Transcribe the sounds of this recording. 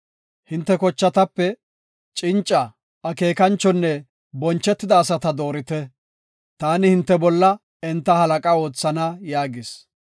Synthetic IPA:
hɪnt̪ːɛkɔt͡ʃːɐt̪ɐpːɛ | t͡ʃʼɪnt͡ʃʼːɐ | ɐke̞ːkɐnt͡ʃːɔnːɛ | bɔnt͡ʃːɛt̪ːɪd̪ɐːsɐt̪ɐd̪o̞ːɾɪt̪ɛ | t̪aːnɪhɪnt̪ːɛbɔlːɐ | ɛnt̪ːɐhɐlɐkʼɐo̞ːt͡sːɐnajaːɡɪs

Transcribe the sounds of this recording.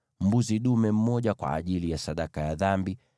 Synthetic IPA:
m̩buziɗumɛm̩mɔʄakwa̰ːʄilijasaɗakajaðambi

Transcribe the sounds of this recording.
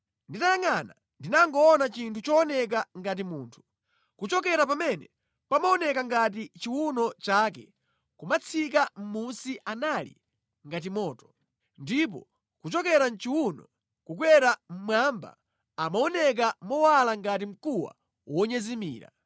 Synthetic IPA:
nditajaŋana | ndinaŋɡɔːnat͡ʃintʰut͡ʃɔːnɛk̬aŋɡat̬imuːntʰu̥ | kut͡ʃɔk̬ɛɾap̬amɛnɛ | pamaɔnɛkaŋɡat̬it͡ʃiwunɔt͡ʃak̬ɛ̰ | kumat͡sʰik̬am̩munsiʔanalḭ | ŋɡat̬imɔːtɔ̥ | ndip̬ɔ̰ | kut͡ʃɔkɛɾant͡ʃiwunɔ | kuk̬wɛɾam̩mwamba̰ | amaɔnɛk̬amɔwalaŋɡat̬im̩kuwa̰ | wɔɲɛzimḭːɾa̰

